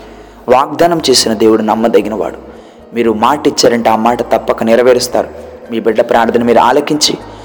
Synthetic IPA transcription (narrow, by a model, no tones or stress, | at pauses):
ʋaːɡ̚d̪aːnɐmt͡ʃe̞ːsinɐd̪e̞ːwuɽunɐmːɐd̪ɐɡinɐʋa̰ːɽu | miːɾumaːʈit͡ʃːaːɾɐɳʈeaːmaːʈɐt̪ɐpːɐkɐnɪɾɐʋeːɾist̪a̰ːɾumiːbiɖːɐpɾaːɾd̪ʱɐnimiːɾuʔa̰ːlɐkiɲt͡ʃi